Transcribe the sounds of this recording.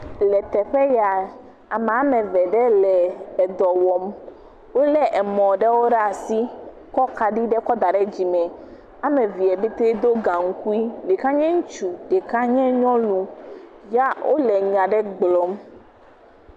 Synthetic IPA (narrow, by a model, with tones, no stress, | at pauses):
lɛ˨t̪ɛ˨ɸɛ˦ja˨ | a˨m˨a˦mɛ̃˨vɛ˨ɖɛ˦lɛ˨ɛ˨d̪ɔ˨wɔ˨m | wo˦lɛ˦ʔɛ˨mɔ̃˨ɖɛ˦wo˦ɖa˨si˦ | kɔ˦ka˨ɖi˦ɖɛ˦kɔ˦d̪a˨ɖɛ˦d͡ʑi˨mɛ̃˨ | a˦mɛ̃˨vi˨ɛ˨bi˦t̪e˦d̪o˦ɡa˨ŋ̩˦ku˦i˦le˨ka˦ɲɛ̃˦ŋu˦t͡ʃu˨ɖe˨ka˦ɲɛ̃˦ɲɔ̃˦lũ˨ja˦wʔo̰˦lɛ˨ɲã˨ɖɛ˦ɡ͡blɔ˨m